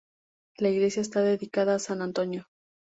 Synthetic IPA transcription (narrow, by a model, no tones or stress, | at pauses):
laiɣle̞sjaes̬t̪aðe̞ðikaðaːsanant̪o̞njo̞